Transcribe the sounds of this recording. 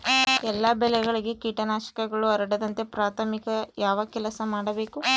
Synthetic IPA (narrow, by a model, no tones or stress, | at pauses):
ɛlːaːbɛlɛɡɐɭiɡe̞kiːʈɐnaːʃɐ̥kɐɡɐɭuɐɾɐɽɐd̪ɐnt̪e̞pɾaːt̪ʰɐmikɐjaːʋɐkɛlɐsɐmaːɽɐbe̞ːku